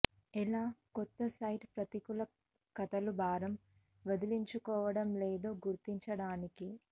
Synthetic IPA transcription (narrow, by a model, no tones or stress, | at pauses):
ɛlaːkɔt̪ːɐsɐjʈpɾɐt̪ikulɐ | kɐt̪ɐlubʱaːɾɐm | ʋɐd̪iliɲt͡ʃukɔːʋɐɽɐmleːd̪o̞ːɡuɾt̪iɲt͡ʃɐɽaːniki